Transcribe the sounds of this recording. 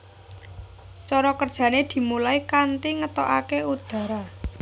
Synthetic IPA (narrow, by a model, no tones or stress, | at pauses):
t͡ʃɔɾɔkərd̥ʒ̥ä̤ned̪̥i̤mulaikant̪iŋət̪ɔʔa̰keud̪̥ä̤ɾa